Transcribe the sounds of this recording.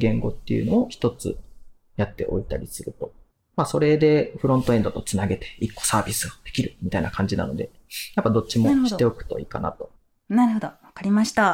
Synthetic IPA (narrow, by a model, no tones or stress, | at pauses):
ɡẽ̞ŋɡo̞t̪ːḛjɯ̟no̞oçi̥t̪o̞t͡sɨ̰ | jat̪ːe̞̰ʔo̞̰it̪a̰ɾʲisɨɾɯ̟t̪o̞ | maso̞ɾe̞d̪e̞ɸɯ̟ɾõ̞nt̪o̞ẽ̞nd̪o̞t̪o̞t͡sɨnaɡe̞t̪e̞̥ikːo̞̥saːbʲisɨɡod̪̥e̞̥kʲiɾɯ̟mʲit̪ainakʰãɲ̟d͡ʑina̰no̞̰d̪e̞̰japːad̪o̞t͡ɕimoi̥e̞o̞kɯ̟̥t̪o̞̰ḭːkana̰t̪o̞̥ | naɾɯhod̪oβakaɾʲimaɕi̥t̪a